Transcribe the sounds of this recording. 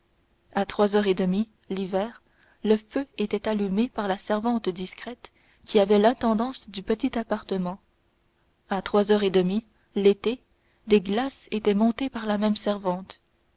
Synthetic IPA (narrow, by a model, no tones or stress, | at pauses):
at̪χwazœʁed̪əmi | livɛːʁ | ləføet̪ɛt̪alymepaʁlasɛʁvɑ̃t̪d̪iskχɛt̪ | kʲiavɛlɛ̃t̪ɑ̃d̪ɑ̃sd̪ypət̪it̪apaʁt̪əmɑ̃ | at̪χwazœʁed̪əmi | let̪e | d̪eɡlaset̪ɛmɔ̃t̪epaʁlamɛmsɛʁvɑ̃t̪